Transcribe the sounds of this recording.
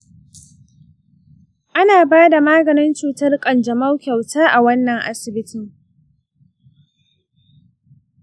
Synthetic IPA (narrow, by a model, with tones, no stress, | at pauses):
ʔa˦naː˨baː˦da˨maː˦ɡɐ˨nɪ˦nt͡ʃuː˨tɐ˦rkʼɐ˨nd͡ʒɐ˨ma˦wkʲa˨wtaː˦ʔa˨wɐ˦nːɐ˨ŋʔa˦sɪ˨bɪ˦tɪ˨ŋ